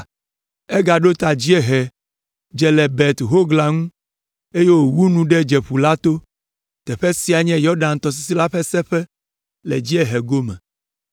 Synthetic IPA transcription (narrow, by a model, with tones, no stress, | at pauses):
ɛ˦ɡa˨ɖo˦t̪a˨d͡ʑi˦ɛ˦ɦɛ˨ | d͡ʒɛ˨lɛ˨bɛ˨t̪ɦo˦ɡla˨ŋũ˦ | e˦je˦wo˨wu˦nũ˨ɖɛ˦d͡ʒɛ˨ɸu˨la˦t̪o˦ | t̪ɛ˨ɸɛ˦si˦a˨ɲɛ̃˦jɔ˦ɖa˨n˨t̪ɔ˨s̬i˦si˦la˦ɸɛ˦sɛ˦ɸɛ˦ | lɛ̰˨d͡ʑi˦ɛ˦ɦɛ˨ɡo˦mɛ̰̃˨